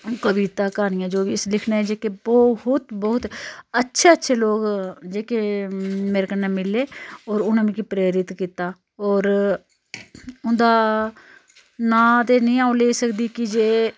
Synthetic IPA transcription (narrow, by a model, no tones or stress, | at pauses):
kəʋiːt̪aːkaːnɪjãːd͡ʒoːʋiːɪslɪkʰnaːed͡ʒeːkebɔɦʊt̪bɔːʊt̪ətːʃʰeːətːʃʰeːloːɡd͡ʒeːkeːmeːɾeːkənːeːmɪlːeːɔːɾʊnãːmĩːkipɾeːɾɪt̪kiːt̪aː | ɔːɾ | ʊnd̪aː | nãːt̪eːnəĩːaːuːleːisəkd̪iːkɪd͡ʒeː